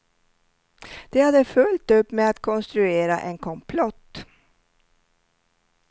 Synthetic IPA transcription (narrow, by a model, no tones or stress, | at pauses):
d̪̥ɛhad̪ːəfɵlt̪ɵpːmɛat̪kʰɔnst̪ɾɵeːɾa̰ʔɛnkʰɔmpʰlɔt̪ː